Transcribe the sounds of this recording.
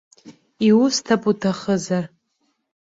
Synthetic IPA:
iwʊstʰapʼutʰaχəzar

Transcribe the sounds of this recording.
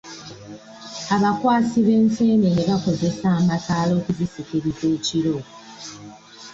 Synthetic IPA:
aβakwaːsiβe̞ːnse̞ːneneβako̞ze̞saːmakaːlo̞ːkuzisikeɾize̞ːciɾo̞

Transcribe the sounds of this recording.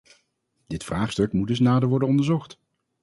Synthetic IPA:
dɪtfraːχstɵkmudɵs̬naːdəɹʋɔɹdənɔndəɹzɔχt

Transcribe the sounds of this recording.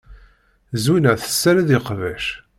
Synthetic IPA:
zinæθə̥sːæɾæðiqvæʃ

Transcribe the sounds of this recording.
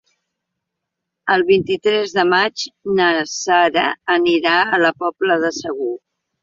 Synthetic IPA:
əlˠβint̪it̪ɾɛzðəmad͡ʒnəsaɾəːniɾaələpɔpləðəsəɣu

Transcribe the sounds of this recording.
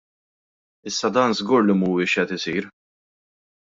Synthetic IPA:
ɪsːɐd̪ɐːnzɡuːɾlɪmuːɪʃʔɛt̪ɪsiːɾ

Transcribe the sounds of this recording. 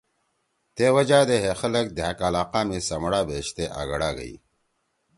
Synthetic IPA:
t̪eːwɐd͡ʑaːd̪eɦexɐlɐk̚d̪akalaːqaːmesɐmɽaːbeːɕt̪eʔa̰ːɣɐɽaːɡɐ̰ḭ

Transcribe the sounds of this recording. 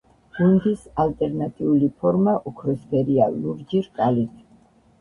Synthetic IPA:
ɡund̪isalt̪ʼɛɾnat̪ʼiulipʰɔɾmaʔɔkʰɾɔspʰɛɾialuɾd͡ʒiɾkʼalit̪ʰ

